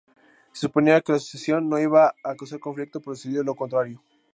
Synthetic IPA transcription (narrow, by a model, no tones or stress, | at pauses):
sesupo̞niake̞lasosjasjo̞nːo̞iβaːkawsaɾko̞ɱflik̚t̪opɾoseðiðolo̞kont̪ɾaɾjo̞